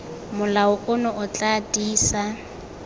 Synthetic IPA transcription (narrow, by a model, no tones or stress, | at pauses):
mʊlaʊʔʊnɔʔʊt͡ɬʼadiːsa